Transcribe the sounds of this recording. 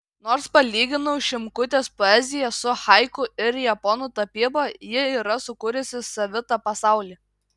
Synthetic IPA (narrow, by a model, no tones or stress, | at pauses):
noːɾspɐlʲiːɡʲɪnʊʃʲɪmkʊt̪ʲeːspoːɛzʲɪjɛsʊxɐɪkʊɪɾjɛpɔnut̪ɐpʲɪbɐjɪiːɾɐsʊkʊɾʲʊsʲɪsɐʋʲɪt̪ɑpɐsɑˑʊlʲiː